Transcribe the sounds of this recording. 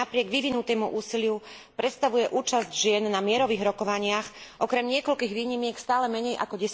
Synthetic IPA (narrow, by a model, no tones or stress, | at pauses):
apɾɪɛɡʋiʋinut̪ɛːmuʔuːsilɪu | pɾɛt̪st̪aʋujɛʔuːt͡ʃazɟʒɪɛnːamɪɛɾɔʋiːɣɾɔkɔʋaɲɪaxʔɔkɾɛmɲɪɛkɔʎkiːɣʋiːɲimɪɛkst̪aːlɛmɛɲɛjʔa̰kɔɟɛs